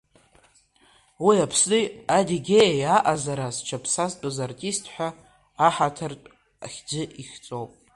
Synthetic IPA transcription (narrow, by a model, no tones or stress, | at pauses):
wiapʰsiadiɡʲejajaʔazaɾast͡ʃʰapʰsastʼozartʼistʰħʷᶣaː | ħatʰartʼ | aχʲd͡ʒɪʔiχʲt͡sʼowpʼ